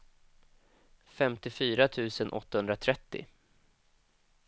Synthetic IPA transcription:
fɛmt̪ɪfyːɾat̪ʰʉ̟ːsənʔɔ̰t̪ːahɵnd̪ɾat̪ʰɾɛt̪ːɪ̰

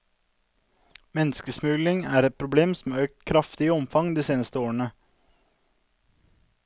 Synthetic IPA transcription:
mɛnskəsmʉːlɪŋæːɾɛt̪̚pʰɾʊbleːmsm̩ːøːk̚t̪kʰɾɑft̪ɪəɔmfɑŋd̪iːseːnəst̪əoːəɳə

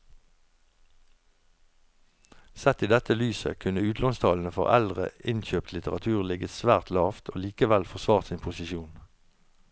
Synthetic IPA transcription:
sɛt̪iːd̪ɛt̪əlyːsə̰kʰʉnəʉːt̪ʰlɔŋst̪ʰɑːln̩əfɔ̰ʁæ̰ld̪ʁə̰ɪnçøːpt̪lɪt̪əʁɑt̪ʰʉːʁlɪɡəsʋæːʁt̪lɑːft̪ʰo̰ːliːkəʋælfɔʁsʋɑːʁt̪siːnpʰʊsɪʃuːn

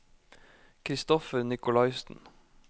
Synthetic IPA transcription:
kʰɾɪst̪ɔfəɾnɪkʊlɑɪsn̩

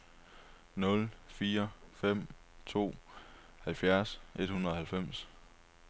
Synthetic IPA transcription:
nɔ̽lfiːɐfem̰ | t͡sʰo̝̰ː | hælfjæɐsʔe̝d̥hunɐð̩ˠhælfem̰s

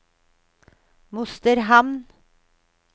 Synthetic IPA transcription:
mʊst̪əɾɦɑmn

